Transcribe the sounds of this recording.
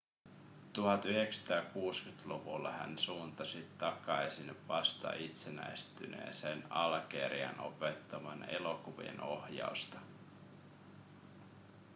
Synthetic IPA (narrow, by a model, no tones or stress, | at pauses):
t̪uhɑt̪yheksɑ̥t̪æːkuːskyt̪luʋulːɑhæ̰nsuːnt̪ɑsit̪ːɑkɑjsinʋɑst̪ɑ̰it̪senæjst̪ynḛːseːnɑlke̞̰ɾiɑ̰no̞̰pe̞t̪ːɑʋɑne̞lo̞kuʋḭḛno̞hjɑ̰ust̪ɑ